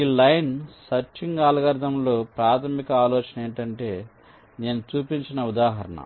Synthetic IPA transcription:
iːlɐjnsɐɾt͡ʃiŋɡaːlɐɡɐɾd̪ʱɐmloːpɾaːt̪ʰɐmikɐaːloːt͡ʃɐneːɳʈɐɳʈe̞ː | ne̞ːnut͡ʃuːpiɲt͡ʃinɐud̪aːɦɐɾɐ̰ɳɐ̰

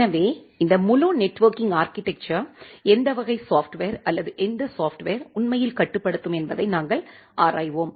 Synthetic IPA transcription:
ɐʋeːɪnd̪ɐmʊlonɛʈːʋɐɾkɪŋɡaːɾkɪʈːɛk̚t͡ʃɐɛnd̪ɐʋɐɣɐɪsaːfʈʋeːɾɐlːɐðɯʔɛnd̪ɐsaːfʈʋeːɾʊnmɐjɪlkɐʈːɯpːɐɽɯt̪ːɯmɛnbɐðɐɪnaːŋɡɐɭ | ʔaːɾaːjʋoːm

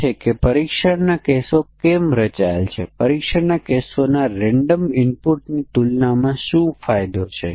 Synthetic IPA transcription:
ekepəɾikʃəɽnakesokɛmɾət͡ʃaelt͡ʃʰḛpəɾikʃəɾnakesonaɾɛɳɖəmɪnpuʈnit̪ulnamãʃũfajd̪ot͡ʃʰḛ

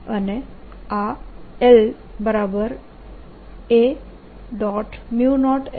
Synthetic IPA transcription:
əne | ael | bəɾabəɾ | e | ɖɔʈmjunɔʈ

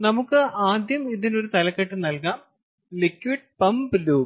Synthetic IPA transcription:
nɐmukːɨʔaːd̪ʱjɐmiðino̞ɾut̪ɐlɐkːɐʈːɨnɐlkaːm | likːwʋiːɖpɐmbɨluː

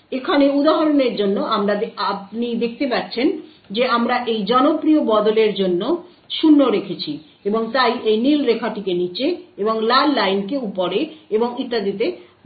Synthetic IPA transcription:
ekʰaneud̪aɦaɾoneɾd͡ʑonːoʔamɾaapnid̪ek̚ʰt̪epaɾt͡ɕʰen | d͡ʑeamɾaʔejd͡ʑɔnopɾiobɔd̪oleɾd͡ʑonːo | ʃunːoɾekʰet͡ɕʰi | eboŋt̪ajejnilɾekʰaʈikenit͡ɕeeboŋlalːajnkeupoɾeeboŋit̪ːad̪it̪e

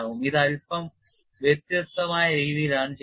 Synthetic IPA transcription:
ɦumid̪ɐɭpɐm | ʋjɐt̪jɐt̪ːɐmaːjɐɾiːʋiːɾaːnt͡ɕ

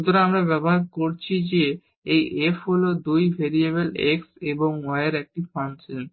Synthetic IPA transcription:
ʃut̪oɾaamɾabɛboɦaɾkoɾt͡ɕʰid͡ʑe | ejʔefɦolod̪ujbʱeɾieβelekseboŋɔeeɾɛk̚ʈifant͡ɕʰilen

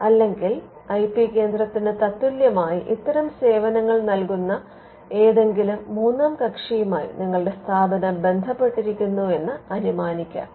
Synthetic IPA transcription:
ɐlːe̞ŋɡil | ɐjpikːe̞ːnd̪rɐt̪ːinet̪ɐt̪ːuljɐmaːjiʔit̪ːɐɾɐmse̞ːʋɐnɐŋːɐɭnɐlkunːɐ | e̞ːðe̞ŋɡilumːuːnːɐːmkɐkʂijumaːjḭniŋːɐɭɽe̞st̪ʰaːbɐnɐbe̞nd̪ʱɐpːe̞ʈːiɾikʲːunːue̞nːɨɐnumaːnikʲːa̰ːm

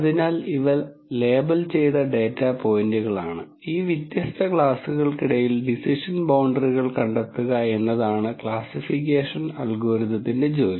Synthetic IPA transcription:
ɐðinaːliʋɐː | e̞ːbɐlt͡ɕe̞jt̪ɐɖe̞ːtːɐpo̞ːjinduɣɐɭaːɳɨ | iːʋjit̪jɐst̪ɐkɭaːsuɣɐɭkiɽɐjilɖisiʂɐnbɐwɳɖɐriɣɐɭkɐɳɖɐt̪ːuɣɐe̞nːɐðaːɳɨkɭaːsifik̬ʲːeːʂɐnɐlɡoːɾiðɐt̪ːinde̞d͡ʑo̞ːjɐ

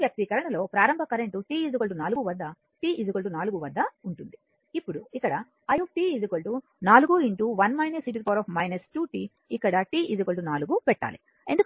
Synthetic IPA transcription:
ʋjɐk̚t̪ikɐɾɐɳɐlo̞ːpɾaːɾɐmbʱɐkɐɾeɳʈuʈiːid͡ʒukɐɭʈ̬unaːluɡuʋɐd̪ʱːɐ | ʈiːʔid͡ʒukɐɭʈunaːluɡuʋɐd̪ʱːɐuɳʈund̪i | ipːuɽuikːɐɽɐ | ɐjuʈiːid͡ʒukoɭʈu | naːluɡuiɳʈuʋɐnmɐjnɐsiʈ̬ispoːɾɐːpʰmɐjnɐsʈuːʈiː | ikːɐɽɐʈiːʔid͡ʒukɐɭʈunaːluɡupɛʈːa̰ːli | end̪uk

